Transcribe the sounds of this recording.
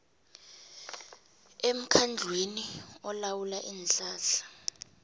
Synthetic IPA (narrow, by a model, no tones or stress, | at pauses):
em̩kʰand͡ɮʱweniɔlawulaʔiːnɬaːɬḁ